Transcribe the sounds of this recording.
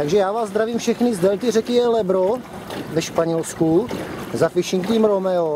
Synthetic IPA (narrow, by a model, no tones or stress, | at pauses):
t̪aɡʒɛjaːvaːzzd̪ɾaviːmfʃɛxnɪzd̪ɛlt̪ɪrɛkɪjɛlɛbɾo | vɛʃpaɲɛlskuzafɪʃɪŋkt̪imɾomɛo